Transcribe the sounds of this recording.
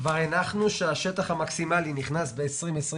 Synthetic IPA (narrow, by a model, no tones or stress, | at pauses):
vaʁenaχnuʃeaʃet̪aχhamaksimaliniχnasbe̞ːsʁimesʁ